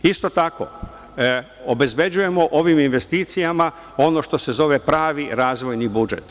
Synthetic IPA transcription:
ist̪o̞t̪ako̰ | obe̞zbe̞d͡ʑuje̞mo̞ʔo̞ʋiminʋe̞st̪iːt̪sijama | o̞no̞ʃt̪o̞se̞zo̞ʋepɾaːʋiɾaːzʋo̞jnibud͡ʒe̞̰t̪

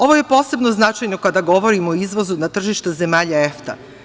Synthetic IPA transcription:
o̞ʋo̞je̞po̞ːse̞bno̞znat͡ʃajno̞kad̪aɡo̞ʋoɾimooizʋo̞zunat̪r̩ʒiʃt̪eze̞maːʎaeft̪a̰

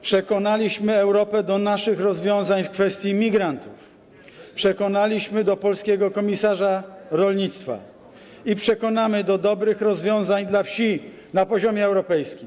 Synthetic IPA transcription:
pʂɛkɔnalʲiɕmɘɛwɾɔpɛd̪ɔnaʂɘxɾɔzvʲjɔ̃w̃zaɲfkfɛst̪ʲjimʲiɡɾant̪uf | pʂɛkɔnalʲiɕmɘd̪ɔpɔlskʲɛɡɔkɔmʲisaʐaɾɔlɲit̪st̪fa̰ | ipʂɛkɔnamɘd̪ɔd̪ɔbɾɘxɾɔzvʲjɔ̃w̃zaɲd̪lafɕi | napɔʑɔmʲjɛɛwɾɔpɛjskʲim

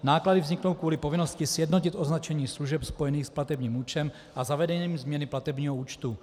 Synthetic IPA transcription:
naːkladɪvzɲɪkno̞wkvuːlɪpovɪno̞scɪsjɛdnocɪt̪ʔo̞znat͡ʃɛɲiːsluʒɛpspojɛniːxsplat̪ɛbɲiːmuːt͡ʃɛm | ʔazavɛdɛɲiːmzmɲɛnɪplat̪ɛbɲiːɦouːt͡ʃt̪u

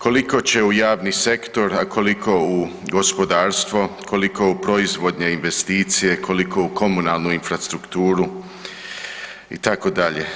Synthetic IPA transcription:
kʰo̞liko̞t͡ɕe̞ujaːʋnise̞kt̪o̞ɾakʰo̞likʰo̞uɡo̞spo̞d̪aːɾst̪ʋo̞kʰo̞liko̞upɾo̞izʋo̞d̪ɲeinʋe̞st̪iːt̪sije̞kʰo̞likʰo̞uko̞munalˠnuinfɾast̪ɾukt̪uːɾu | ḭt̪ako̞d̪aʎe̞

